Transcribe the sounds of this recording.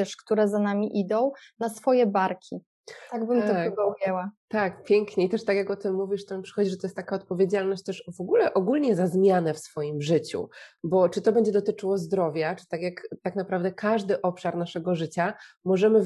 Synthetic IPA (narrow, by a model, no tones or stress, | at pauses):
t̪ɛʂkt̪uɾɛzanamʲiʔid̪ɔ̃w̃nasfɔjɛbaɾkʲʰi | t̪aɡbɘmɔbɔujɛwat̪akpʲjɛŋkɲɛit̪ɛʂt̪akʲjakɔt̪ɘmːuvʲiʂt̪ɔampʂɨ̥xɔd͡ʑiʐɛt̪ɔjɛst̪t̪akaɔt̪̚pɔvʲjed͡ʑalnɔɕt͡ɕ̚t̪ɛʂɔvɔɡulɛʔɔɡulɲɛzazmʲjanɛfsfɔjimʐɘt͡ɕṵbɔt͡ʂɨt̪ɔbɛɲd͡ʑɛd̪ɔt̪ɘt͡ʂɘwɔzd̪ɾɔvʲjat͡ʂɘ̥t̪akʲjakt̪aknapɾavd̪ɛkʰaʐd̪ɘʔɔpʂaɾnaʂɛɡɔʐɘt͡ɕamɔʐɛmɘ